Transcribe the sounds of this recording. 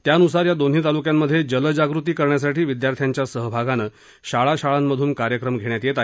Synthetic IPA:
t̪jaənusaɾjad̪onɦiːt̪alukjamːəd̪ʱːjed͡ʑələd͡ʑaɡɾut̪iːkəɾɳjas̬aʈiːʋid̪jaɾt̪ʰjaɲt͡ɕjasəɦbʱaɡanə | ɕaɭaɕaɭamːəd̪ʱuːnkaɾjəkɾəmɡʱeɽ̃jat̪jet̪ae

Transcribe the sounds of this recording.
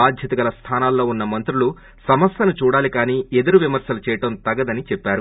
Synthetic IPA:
aːd̪ʱjɐt̪ɐɡɐlɐst̪ʰaːnaːlːo̞ːunːɐmɐnt̪ɾulu | sɐmɐsɐnut͡ʃuːɽaːlikaːniːed̪ɐɾuʋimɐɾsɐlut͡ʃɛːjɐʈɐmt̪ɐɡɐd̪ɐnit͡ʃɛpːaːɾu

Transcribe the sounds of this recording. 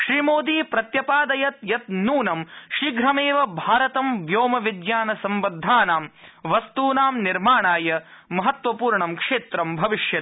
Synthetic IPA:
ʃɾiːmoːd̪iːpɾɐt̪jɐpaːd̪ɐjɐt̪jɐt̪nuːnɐmʃiːɡɾɐmeːʋɐbʱaːɾɐt̪ɐmʋjoːmɐʋid̪jaːnɐsɐmʋɐd̪ʱːaːnaːmʋɐst̪uːnaːmniɾmaːɳaːjɐmɐɦɐt̪ʋɐpuːɾɳɐmkʂeːt̪ɾɐmbʱɐʋiʂjɐ

